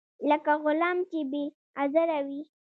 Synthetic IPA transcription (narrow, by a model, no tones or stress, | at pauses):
ləkaɣʊlɑmt͡ʃebe | azəɾawi